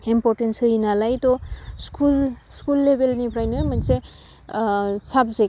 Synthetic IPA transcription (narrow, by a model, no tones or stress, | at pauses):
impoɾʈensɯinalajt̪ɔskulskulːebʱelnipʰɾajnmʌnse | sʰabze